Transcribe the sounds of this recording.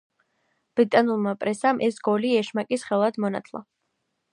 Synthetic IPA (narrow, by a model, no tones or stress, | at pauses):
b̥ɾit̪ʼanulˠmapʼɾɛsamʔɛsɡ̥ɔliɛʃmakʼisχɛlˠad̪mɔna̰t̪ʰlˠa̰